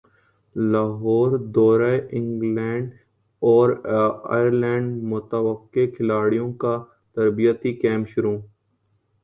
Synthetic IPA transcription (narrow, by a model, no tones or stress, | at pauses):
laːɦɔːɾd̪ɔːɾaeʔɪ̃ŋɡlɛ̃ːɳɖ | ɔːɾa̰ːəɾlɛ̃ːɳɖmʊt̪əwəqːekʰɪlaːɽijõka | t̪ɐɾbijət̪ikɛ̃ːmʃʊɾũː